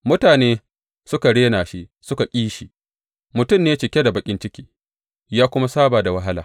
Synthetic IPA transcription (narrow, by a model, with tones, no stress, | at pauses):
mʊ˦taː˨neː˦ | sʊ˦ka˨ɽeː˦naː˨ʃi˦ʔsʊ˦ka˨kʲʼiː˦ʃiː˨ | mʊ˨tʊ˦mneː˦t͡ʃɪ˨kʲe˦da˨bɐ˨kʲʼɪ˦nt͡ʃɪ˦kʲiː˦ | jaː˦kʷʊ˦ma˦saː˦baː˨da˨wa˦ɦa˦laː˨